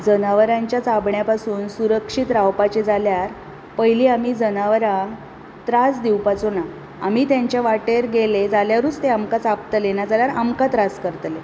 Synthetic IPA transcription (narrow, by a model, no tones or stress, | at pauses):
d͡zənaʋɾãɲt͡ɕjat͡sabɳjapasuːnsuɾəkʂit̪ɾawpat͡ɕed͡zaljaɾ | pəɦjliːamiːd͡zənaʋɾã | t̪ɾasd̪iwpat͡sona | a̰mit̪jaɲt͡ɕjaʋaʈeɾɡeled͡zaljaʋɾuːt͡st̪eamkat͡sapt̪əlenad͡zaljaɾamkat̪ɾaskəɾt̪le